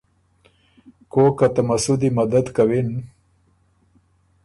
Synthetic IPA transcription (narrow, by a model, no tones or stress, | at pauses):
kokat̪amasud̪imad̪ad̪kawɪn